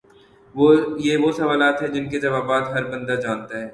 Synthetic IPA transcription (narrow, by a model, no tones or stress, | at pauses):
ʋojeʋosɐʋaːlaːt̪ɦɛd͡ʒɪnked͡ʒɐʋaːbaːt̪ɦɐɾbɐ̃nd̪ad͡ʒaːnt̪aɦɛː